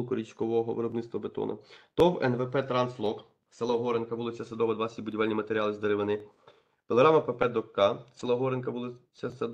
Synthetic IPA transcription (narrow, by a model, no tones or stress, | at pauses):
kɔɾʲit͡ʃkɔʋɔɦɔʋḛɾɔbnɪt̪st̪ʋɐbet̪ɔ̰nɐ̰t̪ɔwɛ̰nʋɛpɛt̪ɾɑnslˠɔk | selˠɐɦɔɾenkɐbulˠɪsʲɐsɐd̪ɔʋɐd̪ʋɑsʲitʲbʊdʲiʋɛlʲnʲimɐt̪eɾʲiɑlˠɪzd̪eɾeʋɪnɪ | pʲelˠeɦɾɑmɐpepɛd̪ɔkːɑselˠɐɦɔɾenkɐbulˠɪt͡sʲːɐsɐd̪